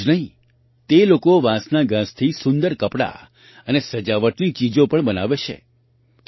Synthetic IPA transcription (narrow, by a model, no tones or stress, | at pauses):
nəɦĩ | t̪elokoʋãsnaɡãst̪ʰisʊnd̪əɾkəpɽa̰ | ənesəd͡ʒaʋəʈnit͡ʃid͡ʒopəɳbəna̰ʋet͡ʃʰḛ